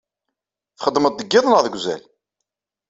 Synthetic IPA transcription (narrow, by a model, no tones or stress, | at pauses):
θχəd̪ːməd̪̚ːəɡːɪðˤənəðˤɡʷzæ̰l